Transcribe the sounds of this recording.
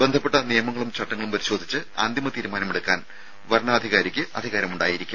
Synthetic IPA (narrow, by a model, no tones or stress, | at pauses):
be̞nd̪ʰʱɐpːe̞ʈːɐnijɐmɐŋːɐɭumt͡ɕɐʈːɐŋːɐɭumpɐɾiɕo̞ːd̪ʱit͡ɕːɨa̰ːnd̪imɐt̪iːɾumaːnɐmeɽukːaːn | ʋɐɾɳɐːd̪ʱiɣaːɾikʲːɨɐd̪ʱiɣaːɾɐmuɳɖa̰ːjiɾikʲːu